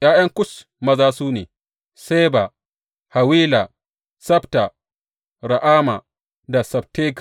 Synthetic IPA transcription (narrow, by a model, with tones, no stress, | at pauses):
j̰aː˦jɐ˦ŋkʷʊ˦s | mɐ˦zaː˦suː˦nḛː˨ | se˦ba˨ | ha˨wiː˦la˨ | sɐ˦bta˨ | ɾa˨ʔaː˦ma˨ | da˨sɐ˨b̚teː˦k